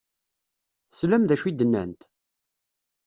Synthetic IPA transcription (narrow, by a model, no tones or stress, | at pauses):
θəsləmðæʃid̪ːənːæ̰nt̪